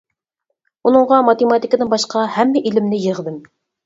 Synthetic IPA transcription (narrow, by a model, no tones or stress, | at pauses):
unɤ̆ɴʁɑmɑt̪emɑt̪ikəd̪ɨnbɑʃqɑhæmːɛʔilɪmnɪjəʁd̪ɪm